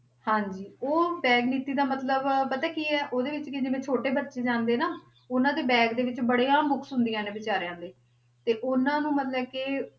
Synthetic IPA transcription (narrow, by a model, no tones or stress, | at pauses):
hãːɲd͡ʒiːoːbɛːɡniːt̪iːd̪aːmət̪ləbpət̪ɛːkiːɛːʔoːd̪eːʋɪt͡ʃkɪd͡ʒɪʋẽːt͡ʃʰoːʈeːbəɾt͡ʃeːd͡ʒãːnd̪eːnaː | ʊnãːd̪eːbɛːɡd̪eːʋɪt͡ʃbəɽeːãːmbʊksɦʊ̃nd̪ijãːnẽːʋɪt͡ʃaːɾejãːd̪eː | t̪eːʔʊnãːnũːmət̪ləbkɪ